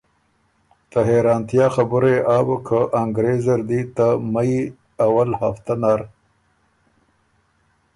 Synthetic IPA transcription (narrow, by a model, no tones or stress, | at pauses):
t̪aɦeɾɑːnt̪jɑxabuɾeʔaːbəkʰəʔaŋɡɾezɐɾd̪it̪amai | awalha̰ft̪anaːɾ